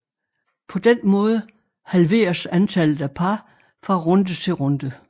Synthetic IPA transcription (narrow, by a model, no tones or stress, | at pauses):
pʰɒ̽d̥enmɔ̽ːð̞ˠə | hælʋe̝̰ːɐsænt͡sʰæl̰ð̩ˠæpʰɑ̈ | fʁɑ̈ʁɔ̽nd̥ət͡sʰe̝lʁɔnd̥ə